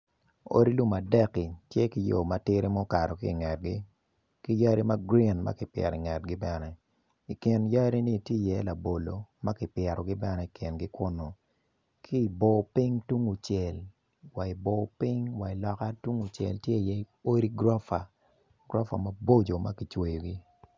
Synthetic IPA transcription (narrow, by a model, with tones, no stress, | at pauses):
o̰˦ɾi˦lu˦ma˨dɛ˦ki˨tje˦ki˦jo̰˨ma˨tɪ˦ɾi˦mɔ˦ka˨ɾɔ˨kɪː˦˨ŋɛ˨t̚ɡi˦ | ki˦ja˦ɾi˦ma˦ɡɾi˦nma̰˦kɪ˨pjɛ̰˨ɾɪ˨ŋɛ˨t̚ɡɪ˦bɛ˦nɛ˦ | i˨ki˨nja˦ɾi˦ni˦˨tje˦˨jɛ˦la˨bo˨lo˨ma˦kɪ˨pjɛ˨ɾɔ˨ɡɪ˦bɛ˦nɛ˦i˨kʰɪ˨nɡɪ˦kwʊ˦no˨ | kʰiː˦˨bo˨pi˦ŋtu˦ŋu˨t͡ʃɛ˨l | wa˨ɪ˨bo˨pɪ˦ŋwa˨ɪ˨lɔ˨ka˦tu˦ŋu˨t͡ʃjɛ̰˨ltje˦˨jɛ˦ | o˦ɾi˦ɡɾɔ˦fa˨ | ɡɾɔ˦fa̰˨ma˦bo˦d͡ʒo˨ma˦ki˨t͡ʃwe˨jo˨ɡi˦